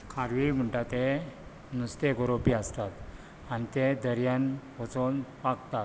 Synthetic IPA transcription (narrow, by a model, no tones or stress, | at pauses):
kʰaɾʋim̤əɳʈat̪e | nust̪ekoɾopiəst̪at̪ | anit̪ed̪əɾjanʋət͡sonpakt̪at̪